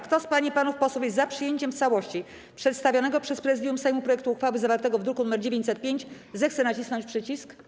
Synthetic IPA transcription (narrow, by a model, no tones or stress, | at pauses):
kt̪ɔspaɲipanufpɔswufjɛzapʂɘjeɲt͡ɕɛmft̪sawɔɕt͡ɕi | pʂɛt̪st̪avʲjɔnɛɡɔpʂɛspɾɛzɘd̪jumsɛjmupɾɔjɛk̚t̪uːxfawɘzavaɾt̪ɛɡɔvd̪ɾukunumɛɾd͡ʑevʲeɲt͡ɕʲsɛt̪̚pʲjeɲt͡ɕ | zɛxt̪sɛnat͡ɕisnɔɲt͡ɕpʂɘt͡ɕisk